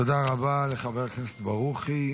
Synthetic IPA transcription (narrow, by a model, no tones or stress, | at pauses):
od̪aʁabaleχabeʁknese̥t̪baʁuχi